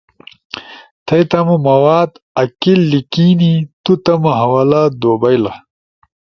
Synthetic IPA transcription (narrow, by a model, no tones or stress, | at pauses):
t̪ʰɐjt̪ɐmumɐwaːd̪ | ɐkilːikinit̪ut̪ɐmɐɦɐwalad̪oːbɐjlɐ